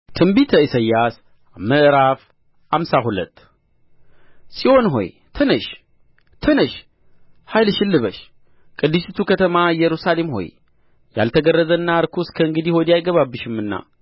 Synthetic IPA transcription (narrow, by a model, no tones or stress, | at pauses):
t̪ʰɨmbit̪ʰəisəjːas | məʔɨɾaf | hamsaɦulə̰t̪ː | sʼiʔo̞nɦo̞̰j | t̪ʰənəʃ | t̪ʰənəʃ | hajlʃɪlːɨβəʃ | kʼɨd̪ːɨsit̪ʰukʰət̪ʰəmajɛɾusale̞mho̞̰j | ja̰lt̪ʰəɡərːəzənːaɾkʰuskʰəɨŋɡɨd̪ihod̪ijajɡəβabːɨʃɪmɨnːa̰